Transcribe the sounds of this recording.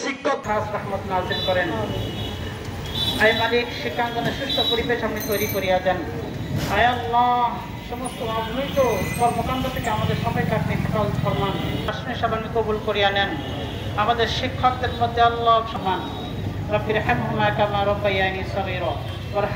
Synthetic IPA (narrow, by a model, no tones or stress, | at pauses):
sikːoasɾahmat̪nazilkɔɾen | ajmaɾikʃikʰːakd͡ʒɔneʃuʃʈ̪ʰopoɾibeʃamnit̪ojɾikoɾijad͡ʒan | ajalːa | ʃɔmost̪oɾad͡ʒnojt̪okɔɾmokand̪ɾot̪ʰekeamad̪eɾʃɔmɔjkapnifaʈald̪ʃɔɾmanaʃneʃabanikobulkoɾijanɛn | amad̪eɾʃikʰːɔk̚d̪eɾpɔd̪ʱːealːaʃɔman | ɾɐfiɾɐħemɦumːakamaɾobɐjanisɐʁiɾɔ | bɐɾ